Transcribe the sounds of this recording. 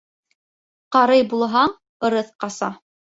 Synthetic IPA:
qɑɾɤjbulˠɦɑɴ | ɤ̆ɾɤθqɑsɑ

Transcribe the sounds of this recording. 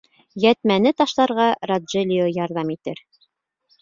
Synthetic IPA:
jæt̪mænɘt̪ɑʃlˠɑɾʁɑrad̪ʒelʲijojɑɾðɑmit̪ɘɾ

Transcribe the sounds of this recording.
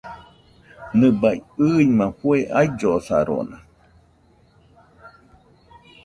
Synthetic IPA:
nɨ̃bajɨijmãhueʔajd͡ʒosa̰ɾo̰nã

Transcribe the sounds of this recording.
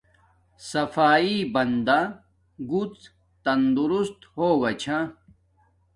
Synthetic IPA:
sɐfaːibɐnd̪a | ɡut͡s | t̪ɐnd̪uɾust̪howɐt͡ɕʰa

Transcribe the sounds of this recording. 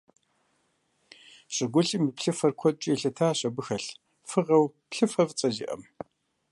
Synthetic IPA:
ɕʼɪɡʷʊɬimipɬɨfɐrkʷʰɔt͡ʃʼiːɬɐtʰaːɕɐbɨxɐɬ | fɨʁɐwpɬɨfɐvt͡sʼɐʒḭʔɐ̰m

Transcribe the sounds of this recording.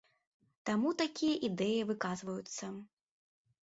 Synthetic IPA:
t̪amut̪akʲijɐʔid̪ɛjɐvɨkazvɐjut̪sːɐ

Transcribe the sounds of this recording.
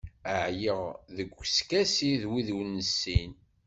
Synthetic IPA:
əʕjəʁðəɡʷːskæsiðwiðuwnːəsːin

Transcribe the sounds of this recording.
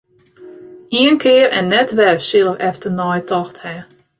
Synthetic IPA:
iənkʰɪərɛnːɛtʋɛrsɪlˠəfɛftənɔjtʰɔxthɛ

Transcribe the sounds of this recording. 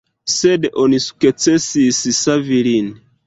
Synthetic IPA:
sɛdeʔonisu̥ket͡sɛsisisavilini

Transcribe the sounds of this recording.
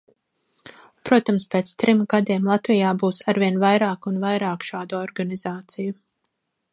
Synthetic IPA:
pɾuɔt̪amspeːt̪st̪ɾimɡad̪iɛmlˠat̪vijaːbuːsaɾviɛnvajɾaːkunvajɾaːkʃaːd̪uɔɾɡaniz̥aːt̪siju

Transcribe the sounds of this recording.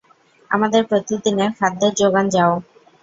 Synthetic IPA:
a̰mad̪eɾpɾot̪id̪inefʰad̪ːeɾd͡ʑoɡand͡ʑao

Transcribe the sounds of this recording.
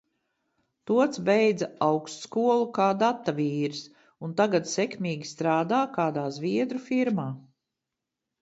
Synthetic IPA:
t̪uɔt̪sbɛjd̪zaawkst̪skuɔlˠukaːd̪at̪ːaviːɾs | unt̪aɡad̪sɛkmʲiːɡʲist̪ɾaːd̪aːkaːd̪aːzviɛd̪ɾufiɾmaː

